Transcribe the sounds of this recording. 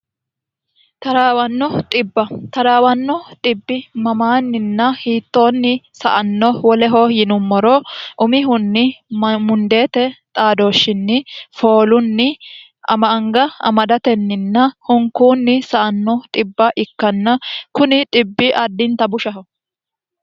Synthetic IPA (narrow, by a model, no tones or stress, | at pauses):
t̪ɐɾaːwɐnːɔt̪ʼɪbːɐt̪ɐɾaːwɐnːɔt̪ʼɪbːɪmɐmaːnːɪnːɐhiːt̪ːo̞ːnːɪsɐʔɐnːɔwɔlɛɦɔjɪnʊmːɔɾɔʔʊmɪɦʊnːɪmʊnd̪e̞ːt̪ɛt̪ʼaːd̪o̞ːʃːɪnːɪfo̞ːlʊnːɪ | ɐ̰mɐɐŋɡɐɐ̰mɐd̪ɐt̪ɛnːɪnːɐhʊŋkuːnːɪsɐʔɐnːɔt̪ʼɪbːɐʔɪkːɐnːɐkʊnɪt̪ʼɪbːɪʔɐd̪ːɪnt̪ɐbʊʃɐɦɔ